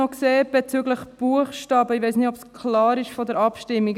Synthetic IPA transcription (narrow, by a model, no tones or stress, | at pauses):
ɔkseːb̥ɛt͡syɡləχb̥uəχʃtɑːbəɪʋɛɪsnɪtɔbskʰlɑːɾɪʃfɔd̪əɾɑpʃtɪmːik